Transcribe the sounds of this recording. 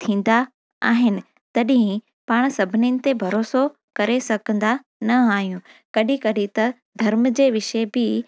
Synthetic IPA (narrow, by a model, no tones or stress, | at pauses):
t̪ʰĩːn̆d̪a | taːɦɪnɪ̆ | t̪ɐɗɦɪ̃ | paːɽ̃sɐbʱɪninɪ̆t̪ebʱɐɾoːso | kɐɾesɐkə̃nd̪a | nɐaːɦijũ | kɐɗĩkɐɗĩt̪ɐ | d̪ʱɐɾmd͡ʑeːʋɪʃebɪ